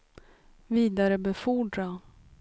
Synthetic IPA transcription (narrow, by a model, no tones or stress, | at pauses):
viːd̪aɾəbɛfuːɖɾa